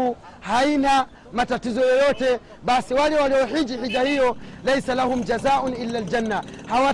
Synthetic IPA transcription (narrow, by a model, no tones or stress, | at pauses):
u | haina | matatizɔjɔjɔtɛ | ɓasiwalɛwaliɔɦid͡ʒihid͡ʒahijɔlajsalahʊmd͡ʒazaːʔʊnʔilːald͡ʒanːa | hawa